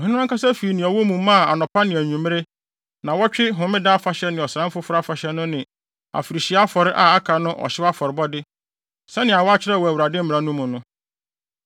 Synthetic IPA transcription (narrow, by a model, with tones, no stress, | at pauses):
ɔ˨ɦɪ̃˦ñ˦kʰa˦sa˦fi˨nɪ̃˨ɔ˨wo˦mũ˨mã˦˨a˨nɔ̃˨pʰa˦nɪ̃˨æ˨ɲũ˨m˦ɾe˦ | nã˨wɔ˦t͡ɕᶣɪ˦ɦʊ̃˨mɪ̃˦da˦a˦fa˨ɕɛ˦nɪ̃˨ɔ˨sɾã˦m̩˦fʊ˦fʊ˦ɾa˦fa˨ɕɛ˦nʊ̃˦nɪ̃˨ | a̰˨fi˨ɾi˨ɕi˨a˦a˦fɔ˨ɾɪ˦ʔa˨a˦kʰa˨nʊ̃˦ʔɔ̰˨ɕɪ˦wa˦fɔ˨ɾɪ˨bɔ˦dɪ˦ | sɛ˦nɪ̃˨a˨wɔ˦a˦t͡ɕʰɪ˦ɾɛ˦˨wɔ˨æ˨u˨ɾa˨dɪ̃˦m̩˦mɪ̃˨ɾa˨˦nʊ̃˦mũ˨nʊ̃˦